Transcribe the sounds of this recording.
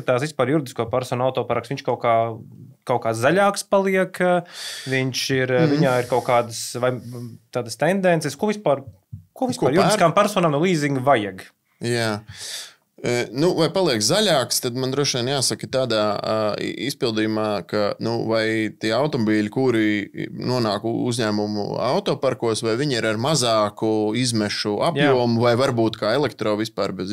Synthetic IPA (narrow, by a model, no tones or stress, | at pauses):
at̪aːsʋispaːɾjuɾɪd̪iskuɔpaɾsɔːnawt̪ɔːpaɾaksʋiɲʃkawkaː | kawkaːszaʎʲaːkspalˠiɛk | ʋiɲʃiɾviɲaːiɾkawkaːd̪əsʋajt̪aːd̪əst̪ɛnd̪ɛnt̪sɛskuɔvispaːɾ | kuɔvʲispaːɾjuɾd̪iskaːmpæɾsoːnaːmnulˠiːziŋɡʋajɛɡ | jaː | nuvajpalˠiɛkszaʎʲaːkst̪ad̪mand̪ɾuɔʃiɛnjaːsakət̪aːd̪a̰ː | ispilˠd̪ijumaːkanuvajt̪iɛawt̪ɔmɔbiːʎʲikuɾinuɔnaːkuzɲæːmumṵa̰wt̪ɔːpaɾkuɔsvajviɲiɾaɾmazaːkuizmɛʃuʔapjuɔmuvajvaɾbuːt̪kaːɛlˠɛk̚t̪ɾɔːʋispaːɾbɛz